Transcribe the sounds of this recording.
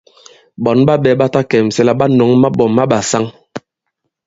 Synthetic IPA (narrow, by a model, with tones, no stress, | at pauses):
ɓɔ˨˦nɓa˦ɓɛ˨˦ɓa˦ta˦kɛ˨m̩˨sɛ˦la˦ɓa˦no˨˦ŋma˦bɔ˨mːa˦ɓa˨sa˦ŋ